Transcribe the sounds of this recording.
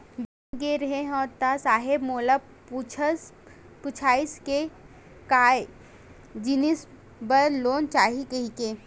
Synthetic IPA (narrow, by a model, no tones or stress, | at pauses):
bɐ̃ɡeɾɐɦẽɦɔːɾt̪asaːɦɪbmoːlə | t͡ʃʰs | pʊt͡ʃʰaːɪske | kaːj | d͡ʒɪnɪs | bɐɾnloːnt͡ʃaːɦikɐɦike